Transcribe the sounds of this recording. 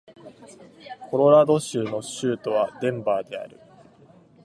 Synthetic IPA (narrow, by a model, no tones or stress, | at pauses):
kʰo̞ɾo̞ɾad̪o̞ɕɨːno̞ɕɨːt̪o̞βad̪ẽ̞mbaːd̪e̞a̰ɾɯ̟